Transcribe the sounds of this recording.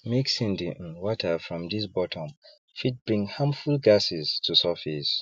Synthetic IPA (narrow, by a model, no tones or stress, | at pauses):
meksĩndĩnwɔtʰəfɹɔ̃md̪isbɔtʰɔ̃m | fit̚b̥ɹĩŋhãmfulɡasiztʰusɔfis